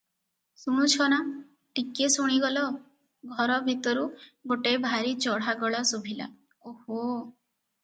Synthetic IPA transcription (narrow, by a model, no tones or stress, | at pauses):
suɽ̃ut͡ʃʰɔña | ʈikesuɽ̃iɡɔlɔ | ɡʱɔɾɔbʱit̪ɔɾuɡoʈebʱaɾit͡ʃɔɽ̤aɡɔɭasubʱila̰ | oho